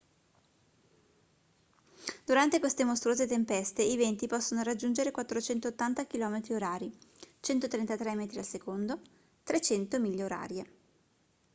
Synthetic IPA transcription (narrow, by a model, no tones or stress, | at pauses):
d̪̥uɾant̪ekwest̪emost̪ɾuoːzet̪empɛst̪eivent̪ipɔsːonoɾad͡ʒːund͡ʒeɾekwat̪ːɾot͡ʃɛnt̪oːt̪ːant̪akilɔːmet̪ɾioɾaːɾit͡ʃɛnt̪ot̪ɾent̪at̪ɾɛmɛːt̪ɾialsekond̪o | t̪ɾet͡ʃɛnt̪omilːeoɾa̰ːɾje